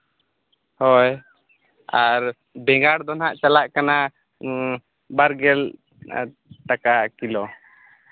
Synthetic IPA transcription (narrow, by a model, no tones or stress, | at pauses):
hɔj | aɾ | bɛŋɡaɽd̪ɔnɦaʔt͡ʃalaʔkana | baɾɡɛl | ʈakakilɔ